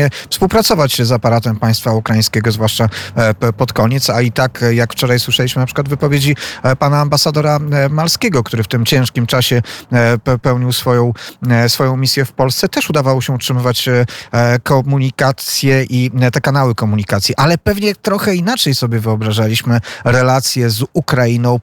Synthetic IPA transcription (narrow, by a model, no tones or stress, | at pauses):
ɛfspuwpɾat̪sɔvat͡ɕzapaɾat̪ɛmpaj̃st̪faukɾajĩskʲɛɡɔzvwaʂt͡ʂapɔt̪kɔɲɛt̪sait̪akjakft͡ʂɔɾajswɘʂɛiɕmɘnapʂɘkwad̪vɘpɔvʲjed͡ʑipanaːmbasad̪ɔɾamalskʲɛɡɔkt̪uɾɘft̪ɘmt͡ɕɛ̃ʂkʲimt͡ʂaɕɛ | pɛwɲiwsfɔjɔ̃w̃sfɔjɔ̃w̃mʲisʲjɛfpɔlst̪sɛt̪ɛʂud̪avawɔɕɛutʂɘmɘvat͡ɕ | kɔmuɲikat̪sʲjɛʔit̪ɛkanawɘkɔmuɲikat̪sʲjiʔalɛpɛvɲɛt̪ɾɔxɛinat͡ʂɛjsɔbʲjɛvɘɔbɾaʐalʲiɕmɘɾɛlat̪sʲjɛzukɾainɔ̃w̃